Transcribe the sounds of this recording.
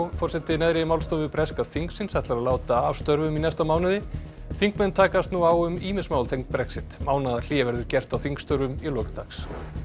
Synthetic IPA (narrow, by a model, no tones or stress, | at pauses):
fɔr̥sɛt̪ɪnɛðɾɪmawlst̪ovɪpɾɛskað̥θiŋksɪnsɛht̪laɾaðlaːwt̪aːvst̪œɾvʏminɛst̪amaːwnɪðɪ | θiŋkmɛnt̪ʰaːkast̪nuawʏmiːmɪnsmaːwlt̪ʰejŋk̚pɾɛksɪt̪maːwnaðal̥iːvɛɾðʏɾcɛr̥t̪awθiŋkst̪œɾvʏmilɔːkt̪ʰaks